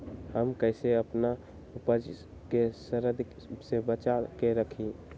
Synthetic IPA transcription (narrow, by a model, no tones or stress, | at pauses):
ɦəmkəɪseəpna | upəd͡ʒ | kesəɾəd̪ | sebət͡ʃakeɾəkʰi